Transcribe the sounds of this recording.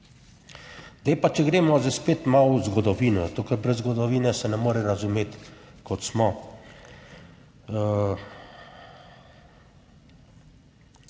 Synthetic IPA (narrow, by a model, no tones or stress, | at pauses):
ɡd̪epat͡ʃɛɡɾeːmɔzaspeːt̪mawzɡɔd̪ɔʋiːnɔt̪okəɾbɾɛzɡɔd̪ɔʋiːnɛsɛnɛmoːɾɛɾazumeːt̪kɔt̪smɔ